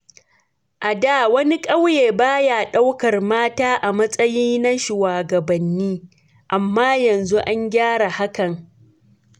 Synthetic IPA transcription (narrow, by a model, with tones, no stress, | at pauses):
ʔa˨daː˦˨wɐ˦ni˦kʼa˦wjeː˨baː˦ja˨ɗa˦wkɐ˨rmaː˦taː˦ʔa˨mɐ˦sʼɐ˦jiː˦na˦ʃu˨waː˨ɡɐ˨bɐ˨nːiː˦ | ʔa˨mːaː˦jɐ˨nzu˦ʔa˦ɲɡʲaː˦ɽa˨ha˦kɐ˨ŋ